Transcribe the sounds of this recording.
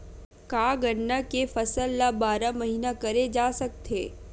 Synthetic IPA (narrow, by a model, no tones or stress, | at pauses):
kaːɡɐɽːakefɐsəlːabaːɾamɐɦiːnakɐɾed͡ʒaːsɐk̚t̪ʰeː